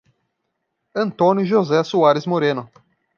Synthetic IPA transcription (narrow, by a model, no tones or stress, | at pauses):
ɐ̃nt̪õnjʊʒozɛsuaɾɪzmoɾẽnʊ